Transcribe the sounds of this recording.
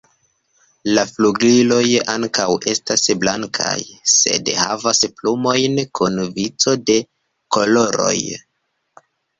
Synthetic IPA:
lafluɡlilo̞jaŋkawʔe̞stasblaŋkʰa̰jse̞̰dhavasplumo̞jnkunvit͡so̞de̞ | ko̞lo̞ɾo̞̰j

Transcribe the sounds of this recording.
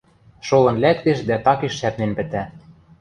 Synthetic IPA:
ʃolɤ̆nlækt̪eʃd̪æt̪ɑkeʃːæpnenpɘ̆t̪æ

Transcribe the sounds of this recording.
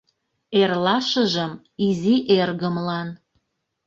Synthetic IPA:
erlɑʃə̆ʒəm | iziʔerɣəmlɑn

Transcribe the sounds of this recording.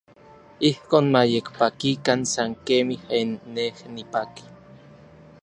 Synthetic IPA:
ihkoːnmajekpakikansaŋkemihenːehnipaki̥

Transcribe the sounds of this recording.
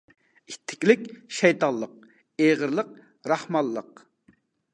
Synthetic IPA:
it̪ʰːɪ̥kʲlɪkʲʃɛjt̪ɑlˠːəq̚ | eʁəɾlˠəq̚ | ɾɑhmɑlˠːəq

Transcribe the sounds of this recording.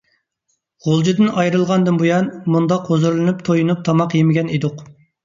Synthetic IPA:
ʁolˠd͡ʒid̪ɨnɑjɾɨlˠʁɑnd̪ɨnbujɑnmund̪ɑqhozuɾlˠɨnɨpt̪ʰojunup̚t̪ʰɑmɑqjemɪɡʲɛnid̪ʊq

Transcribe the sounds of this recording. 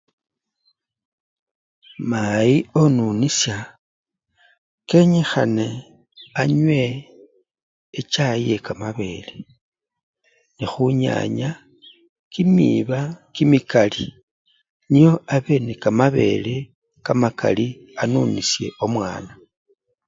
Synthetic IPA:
majio̞nunisja | ke̞ɲexane̞ | aɲwe̞ | t͡ʃaje̞kamaβe̞le | nixuɲa̰ɲa | kimḭβakimikali | nijo̞aβe̞nekamaβe̞̰le | kamakʰa̰li | anunisje̞o̞mwa̰ːna

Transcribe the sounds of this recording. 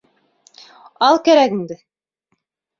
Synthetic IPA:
ɑlˠkæɾækĭnd̪ɘ

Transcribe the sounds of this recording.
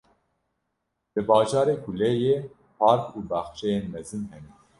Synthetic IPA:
lɨbɑːʒɑːɾeːkʰulɛjeː | pʰɑːɾkuːbɑːxʃɛjeːnmɛzɨnɦɛnɛ

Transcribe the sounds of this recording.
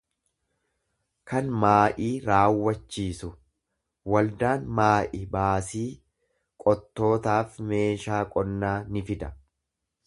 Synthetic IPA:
kɐnmaːʔiːɾaːwːɐt͡ʃːiːsʊ | wɐld̪aːnmaːʔɪbaːsiː | kʼɔt̪ːo̞ːt̪aːfme̞ːʃaːkʼɔnːaːnɪfɪd̪ɐ

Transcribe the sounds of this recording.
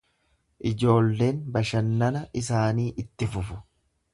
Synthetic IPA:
ʔɪd͡ʒo̞ːlːe̞ːnbɐʃɐnːɐnɐɪs̬aːniːʔɪt̪ːɪfʊfʊ̥

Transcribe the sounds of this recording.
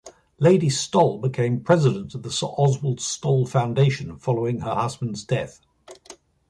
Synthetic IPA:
leɪdistɒlˠbɪkʰẽɪ̃mpʰɹ̥ɛzɪɾə̃ntəvðəsəʔɒzwəlˠdstɒlˠfãʊ̃ndeɪʃə̃nfɒləʊɪ̃ŋəhʌzbə̃ndzdɛθ

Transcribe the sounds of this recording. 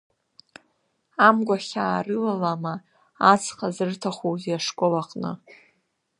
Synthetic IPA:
amɡʷaχʲaːrɨlalamaː | t͡sʰχazɨrtʰaχʷowziaʂkʷʼolaqʼnɨ̰

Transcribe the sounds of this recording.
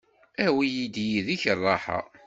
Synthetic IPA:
æwijid̪jiðiçərˤːɑħɑ̰

